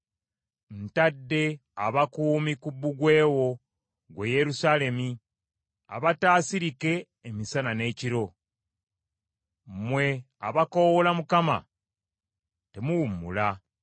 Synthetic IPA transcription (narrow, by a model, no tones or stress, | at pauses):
n̩tadːe̞aβakuːmikubːuɡwe̞ːwo̞ | ɡwe̞je̞ɾusaːle̞mi | a̰βataːsiɾike̞ː | misanane̞ːciɾo̞ | mwe̞ | a̰βako̞wolamukama̰ | te̞muwumːṵla